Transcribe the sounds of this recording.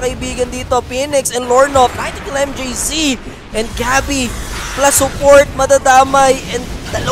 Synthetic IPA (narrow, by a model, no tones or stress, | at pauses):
kɐɪbiːɡɐnd̪iːt̪o̞pinɪksɛnloɹnof̚najnt̪ikɪlɛmd͡ʒisi | ʔɛn̚ɡabiplɐsʊpoɹt̪̚mɐd̪ɐd̪aːmɐjʔɛnd̪ɐlɐ